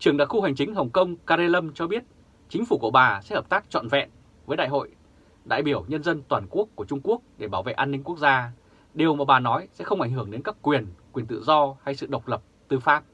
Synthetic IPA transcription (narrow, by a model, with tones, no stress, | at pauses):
t͡ɕɨ˨˩əŋɗaː˨kxu˧ha˨˩jŋ̟t͡ɕï˨˦ŋ̟ɦə˨˩wŋ͡mkə˧wŋ͡mkaː˧ze˧lə˧mt͡ɕɔ˧ɓi˦˥ət̚ | t͡ɕï˨˦ŋ̟fu˧˩ku˧˩əɓaː˨˩sɛ̰˧˥həː˨˩p̚t̪aː˦˥k̚t͡ɕɔ̰˧˨nvɛ̰˧˨n | vəː˨˦jɗa̰ː˧˨jɦo̰˧˨j | ɗa̰ː˧˨jɓi˧˩əwɲə˧nzə˧nt̪waː˨˩nku˦˥əkːu˧˩ət͡ɕʊ˧ŋ͡mku˦˥ək̚ɗe˧˩ɓaː˧˩wvḛ˧˨ʔaː˧nːï˧ŋ̟ku˦˥ək̚zaː˧ | ɗe˨˩əwmaː˨˩ɓaː˨˩nɔ˨˦jsɛ̰˧˥xə˧ŋ͡mʔjŋ̟ɦɨ˧˩əŋɗe˨˦nka˦˥p̚kwi˨˩ənkwi˨˩ənt̪ɨ̰˧˨zɔ˧ha˧jsɨ̰˧˨ɗə˨˩wk͡p̚lə˨˩p̚t̪ɨ˧faː˦˥p̚